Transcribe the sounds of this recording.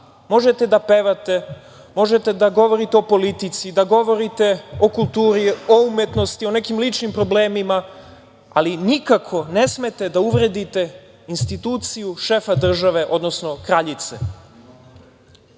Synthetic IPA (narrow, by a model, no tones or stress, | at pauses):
mo̞ʒet̪e̞d̪apeʋat̪e | mo̞ʒet̪e̞d̪aɡo̞ʋo̞ɾit̪eo̞po̞lit̪it̪sid̪aɡo̞ʋo̞ɾit̪e̞o̞kulˠt̪uːɾioumet̪no̞st̪io̞ne̞kimlit͡ʃnimpɾo̞ble̞ːmima | a̰linikakʰo̞ne̞sme̞t̪e̞d̪auʋɾe̞d̪it̪e̞ | inst̪it̪uːt̪sijuʃe̞fad̪r̩ʒaʋe̞ʔo̞d̪nosno̞kɾaʎit̪sḛ